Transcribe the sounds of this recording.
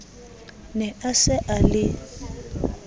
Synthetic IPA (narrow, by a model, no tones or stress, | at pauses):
nɛʔasɛʔalɪ